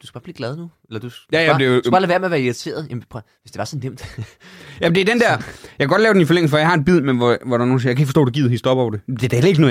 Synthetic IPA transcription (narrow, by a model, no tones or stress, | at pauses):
d̥uskæ̥b̥ɑ̈ːb̥liːɡ̥lɛð̞ˠnuelɐd̥u̥jæjæd̥e̝u̥sæ̥bɑːlæʋæɐmeɐʋæɐiʁit͡sʰe̝̰ːɐð̩ˠjæmpʰ | ʋesd̥e̝ʋɑ̈sɒnːem̰d̥ | jæmd̥e̝æɐd̥end̥æɐ̰jɑkʰæɡɒ̽d̥lɛːʊd̥enifɒ̽leŋl̩s̩fɒ̽jɑ̈hɑ̈e̝nb̥ið̞̰ˠmenɒʋɒɾɑ̈no̝ːnsiɐjakʰæeɡ̥kfɒsto̰ːd̥eɡiːð̰ˠhisd̥ɒɐb̥ɒʊd̥e̝d̥ed̥æhelɐeɡ̥no